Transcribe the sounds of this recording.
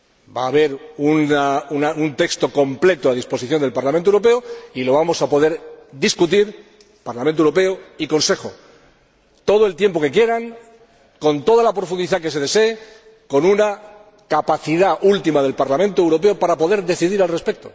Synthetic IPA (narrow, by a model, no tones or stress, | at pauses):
ba̰ːβ̞e̞ɾunaunaunt̪e̞kst̪o̞ko̞mple̞t̪oað̞ispo̞siθjond̪e̞lpaɾlamẽnt̪oewɾo̞p̬e̞oilo̞β̞amo̞sapo̞ð̞e̞ɾd̪iskut̪iɾ | paɾlamẽnt̪oewɾo̞pe̞oiko̞nse̞xo̞ | t̪o̞ðoe̞lt̪je̞mp̬o̞ke̞kje̞ɾaŋ | ko̞nt̪o̞ðalapɾo̞fund̪iθake̞se̞ð̞e̞se̞ː | ko̞nuna | kapaθiðaʔult̪imað̞e̞lpaɾlamẽnt̪oewɾo̞pe̞opaɾapo̞ðe̞ɾðe̞θiðiɾalre̞spek̚t̪o̞